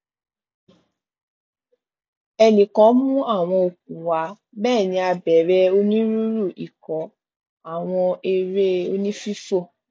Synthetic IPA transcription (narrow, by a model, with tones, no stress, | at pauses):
ɛ˧nĩ˨kɔ̃˨˦mũ˦a˦˨w̃ɔ̃˧o˨k̚ũ˨wa˨˦ | bɛː˦˨nĩ˧˦a˧bɛ˨˦ɾɛ˦o˦nĩ˦ɾu˦ɾu˦˨i˨kɔ̃˨˦ | a˦˨w̃ɔ̃˧e˧ɾe˦o˧nĩ˦fi˦fo˦˨